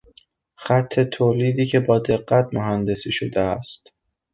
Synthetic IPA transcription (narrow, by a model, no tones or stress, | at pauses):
xæt̪ʰːe̞t̪ʰoːliːd̪iːcʰe̞bɒːd̪e̞ɢːæt̪moɦænd̪e̞siːʃod̪eæst̪